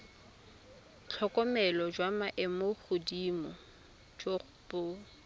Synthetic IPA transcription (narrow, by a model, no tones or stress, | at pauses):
t͡ɬʰɔkʼɔmɛlɔd͡ʒwamaʔɛmoχʊdimɔ | d͡ʒoχ | bo